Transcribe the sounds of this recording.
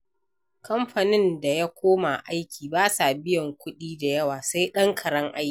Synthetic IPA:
kɐ˦mɸa˨nɪ˦nda˨ja˦kʷoː˦ma˨ʔa˦jkʲiː˨baː˦sa˨bɪ˦jɔ˨ŋkʷʊ˦ɗiː˦da˨jɐ˦waː˨sa˦jɗɐ˦ŋkʰɐ˨ɽɐ˦ŋʔa˦jkʲi˨

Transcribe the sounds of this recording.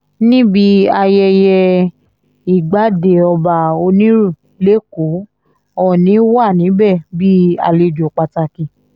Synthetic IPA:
nĩ˦bi˧˦a˧jɛ˧jɛ˧ | i˨ɡ͡ba˨˦de˨ɔ˧ba˧o˧nĩ˦ɾu˦˨ | le˨˦ko˨˦ | ɔ˦˨nĩ˨˦wa˦˨nĩ˨˦bɛ˦˨bi˦a̰˨˧le˧d͡ʒo˨k͡pa˧ta˧kĩ˧

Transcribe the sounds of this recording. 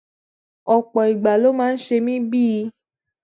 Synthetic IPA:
ɔ˨k͡pɔ˨i˨ɡ͡ba˨lo˦mãː˦n̩˦ʃe˧mĩ˦bi˦i˧

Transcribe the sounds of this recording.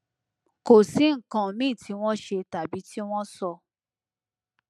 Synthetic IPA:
ko˨si˨˦ŋ̩˨kã˨mĩ˦˨tʰi˨˦w̃ɔ̃˦ʃe˧ta˨bi˨˦ti˦w̃ɔ̃˦sɔ˧

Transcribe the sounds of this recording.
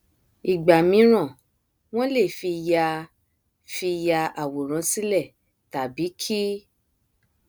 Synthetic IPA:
i˨ɡ͡ba˨mĩ˨˦ɾ̃ã˦˨ | w̃ɔ̃˦le˦˨fi˧ja˧ | fi˧ja˧a˨wo˨ɾ̃ã˨˦si˦lɛ˦˨ | ta˨bi˨˦kʰi˦

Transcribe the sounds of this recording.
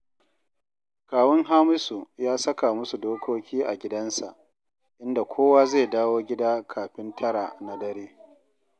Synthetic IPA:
kaː˨wɐ˦ŋɦaː˦mʊ˦su˨jaː˦sɐ˦ka˨mʊ˦su˨doː˦kʷʰoː˦kʲiː˦ʔa̰˨ɡʲɪ˦dɐ˦nsa̰˨ʔ | ʔɪ˦nda˨kʷʰoː˦waː˦zeː˦˨daː˦woː˦ɡʲɪ˦daː˦kʰaː˨ɸɪ˦ntʰɐ˦ɽa˨na˨dɐ˦ɾeː˦

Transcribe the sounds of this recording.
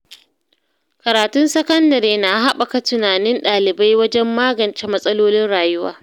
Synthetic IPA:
kɐ˨ɾaː˨tʊ˦nsɐ˦kɐ˦ndɐ˨ɾeː˨na˨˦ɦa˦ɓa˨ka˨tʊ˨naː˨nɪ˦nɗaː˨lɪ˨ba˦jwɐ˦d͡ʒɛ˦mːaː˦ɡɐ˨nt͡ʃe˦mɐ˦sʼɐ˦loː˦lɪ˦nɽaː˨jʊ˦wa̰ː˨

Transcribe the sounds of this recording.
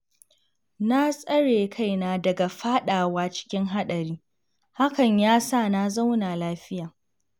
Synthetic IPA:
na˦sʼɐ˦ɽeː˨kʰa˦˨jnaː˦dɐ˨ɡa˨ɸaː˦ɗaː˨waː˦t͡ʃɪ̥˦kʲɪ˦ŋɦa˦ɗɐ˨ɾiː˦ | ha˦kɐ˨ɲjaː˦saː˦˨na˦za˦wnaː˨laː˦ɸɪ˦jaː˨

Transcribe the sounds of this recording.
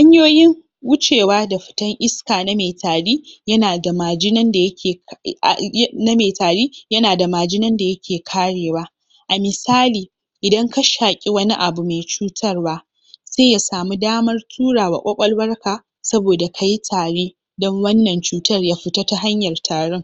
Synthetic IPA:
ha˦ɲjoː˦jɪ˦ŋ | wʊ˦t͡ʃeː˨waː˦da˨ɸɪ̥˨tɐ˦ŋʔɪ˦skaː˨na˦me˨taː˨ɽiː˦jɐ˦naː˨da˨maː˨d͡ʒɪ˦nɐ˦nda˨jɐ˦kʲeː˨˦ | na˦me˨taː˨ɽiː˦jɐ˦naː˨da˨maː˨d͡ʒɪ˦nɐ˦nda˨jɐ˦kʲʰeː˨kʰaː˦ɽeː˨waː˦ | ʔa˨mɪ˨saː˦liː˨ | ʔɪ˨dɐ˦ŋka˦ʃaː˨kʲʼi˦wɐ˦ni˦ʔa˨bu˨me˨jt͡ʃuː˦tʰɐ˦rwaː˦ | seː˦ja˨saː˨mu˦daː˦mɐ˦rtʰuː˦ɽaː˨wa̰˨kʷʼɐ˦kʷʼɐ˦lwɐ˦rkaː˨ | sɐ˦boː˨da˨kʰa˨ji˦tʰaː˨ɽeː˦ | dɔ˦ŋwɐ˦nːɐ˨nt͡ʃuː˦tɐ˦rjaː˦ɸɪ˨taː˦ta˦ɦa˦ɲjɐ˨rtʰaː˨ɽɔ˦ŋ

